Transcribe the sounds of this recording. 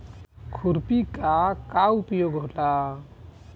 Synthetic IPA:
kʰuɾpikakaupjoɡɦola

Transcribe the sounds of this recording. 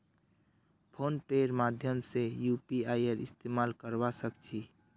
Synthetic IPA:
pʰoːnpeɾmaːd̪ʱjəmsejupiaːiəɾɪst̪emalkəɾbasəkt͡ʃʰi

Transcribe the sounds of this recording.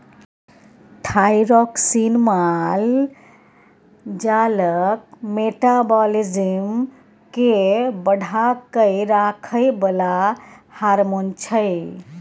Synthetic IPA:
t̪ʰajɾɔksinmal | d͡ʒalək̚meʈabɔlid͡ʒim | kebəɽʱakəɪɾakʰəjbəlahaɾmont͡ʃʰəj

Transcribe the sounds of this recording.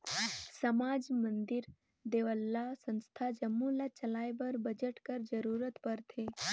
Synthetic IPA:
sɐmaːd͡ʒmənd̪iɾ | d̪eːʋəlːasə̃nst̪ʰad͡ʒɐmːulat͡ʃɐlaːjbəɾbəd͡ʒəʈkəɾd͡ʒəɾuːɾət̪pəɾt̪ʰeː

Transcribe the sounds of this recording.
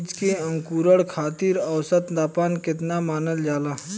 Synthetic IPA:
d͡ʒkeə̃ŋkuːɾəɽkʰaːt̪iːɾɐwsət̪d̪aːpaːnkɪt̪namaːnəld͡ʒaːlaː

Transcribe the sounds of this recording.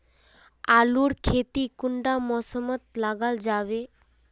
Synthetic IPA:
aluːɽkʰet̪iːkuɳɖamɔsəmət̪̚laɡald͡zaʋe

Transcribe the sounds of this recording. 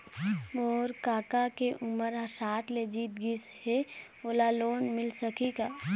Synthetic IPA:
ɔːɾkaːkakeʔʊməɾɦɐsaːʈled͡ʒiːt̪̚ɡɪshe | oːlaloːnmɪlsəkikaː

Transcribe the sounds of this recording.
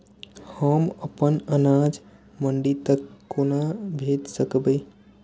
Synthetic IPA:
həməpənənad͡ʒ | məɳɖit̪əkːonabʱed̪səkbəj

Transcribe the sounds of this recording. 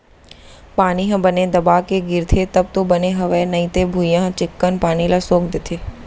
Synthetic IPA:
paːniɦɐ̃bəned̪əbaːkeɡɪɾt̪ʰet̪əb̚t̪obəneɦɐʋenɐĩt̪ebʱujãɦt͡ʃɪkːənpaːnilasoːkd̪ɪt̪ʰeː

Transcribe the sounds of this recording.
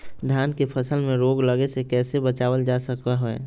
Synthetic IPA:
d̪ʱjaːnkepʰəsəlmẽɾoːɡləɡesekɛːsebət͡ʃaːwəld͡ʒasəkaɦoɛ̰

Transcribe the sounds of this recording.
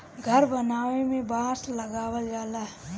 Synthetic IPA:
ɡʱəɾbənaːʋemẽbãːsləɡaːwəld͡ʒaːlaɦ

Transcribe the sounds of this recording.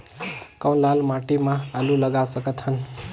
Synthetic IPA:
kãw̃lalmaʈimãːluləɡasəkət̪ɦʌn

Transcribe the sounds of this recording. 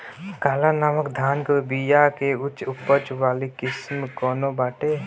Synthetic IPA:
kaːlanaməkd̪ʱaːnkobijakeʊt͡ʃʊpət͡ʃwaːlikɪsmkɔːnobaːʈe

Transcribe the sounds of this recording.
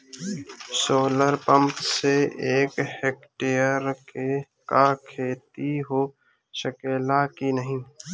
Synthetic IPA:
soːləɾpə̃mpseeːkhek̚ʈejəɾke | kakʰeːt̪iɦoː | ʃəkeːlakinəɦĩ

